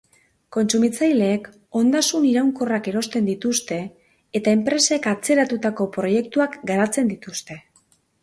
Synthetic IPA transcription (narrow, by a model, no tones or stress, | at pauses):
ko̞nt͡sumit͡sajle̞ːk | o̞nd̪asuniɾawŋko̞rake̞ɾo̞st̪e̞nd̪it̪ust̪e̞ː | t̪ae̞mpɾe̞se̞kat͡se̞ɾat̪ut̪ako̞pɾo̞je̞k̚t̪uakɡaɾat͡se̞nd̪it̪ust̪e̞